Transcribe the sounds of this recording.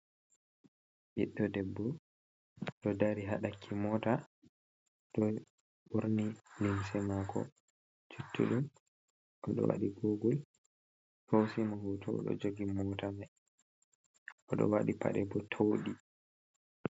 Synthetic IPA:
ɓiɗːɔdɛbːɔ | ɗɔdaɾiɦaɗakʰːimɔta | ɗɔ | ɓuɾnilimsɛmakɔ̰ | t͡ʃutʰːṵɗum | ʔɔɗɔ̰wa̰ɗiɡoɡul | howsimɔhutʰɔ̰ɗɔ̰d͡ʒoɡimɔtama | ʔɔɗɔ̰waɗipa̰ɗɛbɔtʰowɗi

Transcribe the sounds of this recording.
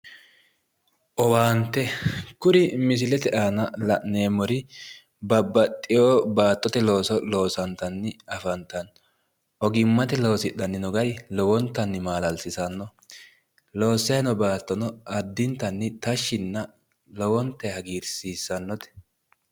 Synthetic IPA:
ʔɔwaːnt̪ːɛkʊɾɪmɪs̬ɪlɛt̪ɛʔaːnɐlɐʔneːmɔɾɪ | bɐbːɐt̪ʼːɪjoːbaːt̪ːɔt̪ɛlo̞ːsɔlo̞ːsɐnt̪ɐnːɪɐfɐnt̪ɐn | ʔɔɡɪmːɐt̪ɛlowsɪɗɐnːɪnɔɡɐjlɔwɔnt̪ːɐnːɪmaːlɐlsɪsɐnːɔ | loːsːɛɛnɔbaːt̪ːɔnɔɐd̪ːɪnt̪ɐnːɪt̪ɐʃːɪnːɐ | lɔwɔnt̪ːɛhɐɡiːɾsiːsːɐnːɔt̪ɛ̥

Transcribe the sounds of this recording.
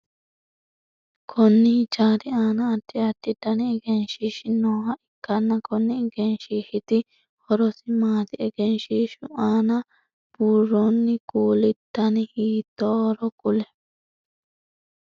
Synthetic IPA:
kʰɔnːɪt͡ʃaːɾɪaːnɐːd̪ːɪɐt̪ːɪd̪ɐnɪːɡɛnʃiːʃɪnoːhɐʔɪkːɐnːɐkɔnːɪɛɡɛnʃiːʃɪt̪ɪ | hɔɾɔsɪmaːt̪ɪɛɡɛnʃiːʃʊʔaːnɐ | b̥uːronːɪɡuːlɪt̪ːɐnɪhiːt̪ːɔɔɾɔkʊlɛ

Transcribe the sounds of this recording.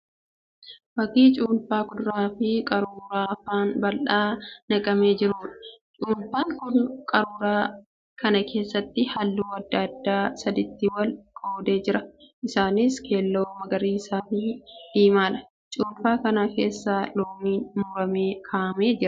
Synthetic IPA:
bɐkiːt͡ʃʼuːnfaːkʊd̪ʊɾaːfɪkʼɐɾuːɾaːɐfaːnbɐlʔaːnɐkʼɐme̞ːd͡ʒɪɾuːᶑɐ̥t͡ʃʼuːnfaːŋkʊkʼɐɾuːɾaː | kɐnɐkʰe̞ːsːɐt̪ːɪhɐlːuːɐd̪ːɐd̪ːaːsɐd̪ɪt̪ːɪwɐlkʼoːd̪e̞ːd͡ʒɪɾɐʔɪsaːnɪskʰe̞ːlːo̞ːmɐɡɐɾiːɪsaːfɪd̪̥iːmaːᶑɐ̥ | t͡ʃʼuːnfaːkɐnaːke̞ːsːaːloːmiːnmuːɾɐme̞ːkʰaːʔɐme̞ːd͡ʒɪɾ

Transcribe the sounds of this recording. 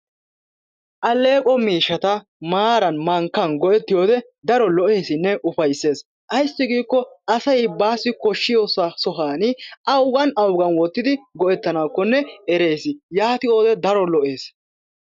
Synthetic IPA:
ʔɐlːe̞ːkʼɔmiːʃːɐt̪ɐ | maːɾɐnmɐŋkːɐnɡɔʔɛt̪ːɪjoːd̪ɛ | d̪ɐɾɔlɔʔe̞ːsɪnːɛʔʊfɐjsːe̞ːs | ʔɐjsːɪɡiːkːɔɐsɐjbaːsːɪkɔʃːɪjoːsɐsɔɦaːnɪʔɐwɡɐnɐwɡɐnwɔt̪ːɪd̪ɪɡɔʔɛt̪ːɐnaːkːɔnːɛɛɾe̞ːsɪjaːt̪ɪo̞ːd̪ɛd̪ɐɾɔlɔʔe̞ːs

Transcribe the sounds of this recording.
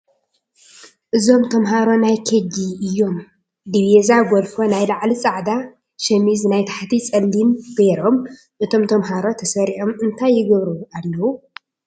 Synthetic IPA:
ʔɨzo̞mt̪ʰɐmɦaɾo̞najkʰed͡ʒiɨjːo̞m | d̪iβezaɡʷolfonajlaʕlit͡sʼaʕd̪a | ʃɐmiznajt̪ʰḁħt̪ʰit͡sʼɐlːinb̥eɾo̞m | ʔɨt̪ʰo̞mt̪ʰɐmɦaɾo̞t̪ʰɐsɐɾiʕomɨnt̪ʰajːɪɡɐβɾualːɐwu

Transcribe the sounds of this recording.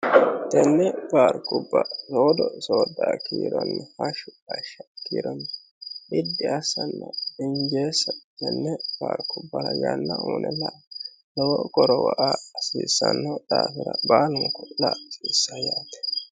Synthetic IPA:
t̪ɛnːɛpaːɾkːʊbːɐsoːd̪ɔsoːd̪aːkiːɾɔnːɛhɐʃʊɐʃːɐkiːɾɔnː | ɪd̪ːɪɐsɐnːɐɪɲd͡ʒeːsɐt̪ɛnːɛpaːɾkʊbːɐɾɐjanːɐuːnʔɛlɐʔ | lɔwɔkɔɾɔwɔʔaːsiːsːɐnːɐᶑ̪aːfɪɾɐbaːlʊŋkɔlasiːsːɐjaːt̪ɛ̥

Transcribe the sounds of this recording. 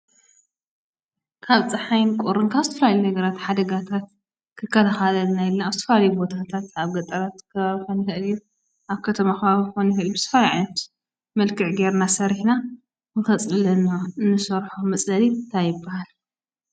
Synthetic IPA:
kʰaβt͡sʼɐħajnkʼuɾɨŋkʰaβzɨt̪ʰɐfɐlaljunɐɡɐɾat̪ħad̪ɐɡat̪ʰat̪̚ | kʰɨkʰːɐlaxalɐlnajilnaːzɨt̪ɐ̥fɐlalɐjubo̞t̪ʰat̪ʰat̪aβɡɐt̪ʼɐɾat̪kʰɐβaβixonixɨʔɨlju | ʔaβkʰɐt̪ʰɐmakɐβaβixonjixɨʔɨljbɨsɨ̥fajiʕajnɐt̪ | mɐlkʰɨʕɡeɾnasɐɾiħna | nɨxɐt͡sʼɨlɐnoɨnːɨsɐɾħomɐt͡sʼɐlint̪ʰajɪɨbːahal

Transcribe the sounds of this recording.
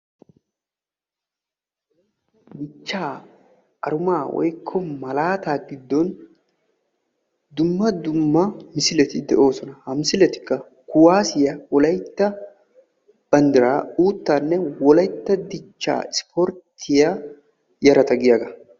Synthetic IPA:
d̪ɪt͡ʃːaː | ʔɐɾʊmaːwɔ̰jkʰːɔmɐlaːt̪aːɡɪd̪ːɔn | d̪ʊmːɐd̪ʊmːɐmɪsɪlɛt̪ɪd̪ɛʔo̞ːsɔnɐhɐmɪsɪlɛt̪ɪ̥kːɐ | kʊwaːsɪjɐwɔlɐjt̪ːɐ | b̥ɐnd̪ɪɾaːuːt̪ːaːnːɛwɔlɐjt̪ːɐd̪ɪt͡ʃːa̰ːɪspɔɾt̪ʰːɪja | jɐɾɐt̪ɐɡɪjaɡɐ

